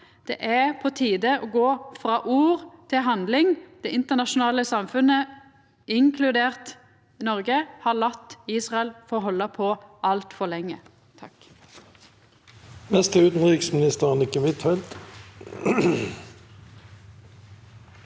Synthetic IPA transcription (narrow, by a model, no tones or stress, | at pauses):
d̪̥ɛ̰ʔæpʰɔt̪ʰiːd̪əʔoɡoːfɾɑːʔuːʁt̪ʰɪlɦɑnd̪lɪŋd̪̥ɛɪnt̪əʁnɑʃʊnɑːləsɑmfʉnə | ɪŋkʰlʉd̪eːʁt̪ | nɔʁɡəhɑlɑt̪ːiːsʁɑɛlfɔɦɔlːəpʰɔʔɑlt̪fɔʁlɛŋːə | t̪ʰɑk | nɛst̪əʉːt̪n̩ʁɪksmɪnɪst̪əʁnɪkːəmɪt̪fɛlt̪